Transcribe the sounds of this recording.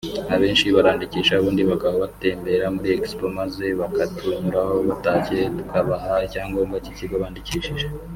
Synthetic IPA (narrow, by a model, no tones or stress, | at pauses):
aβe̞ːnʃiβaɾaːndiciːʃaːβuːndiβakaβaβate̞ːmbe̞ɾamuɾiekspomaze̞βakatumuɾaho̞βataːce̞tu̥kʰaβaɦacaːŋɡo̞ːmɡaciciɡoβaːndiciːʃiʒe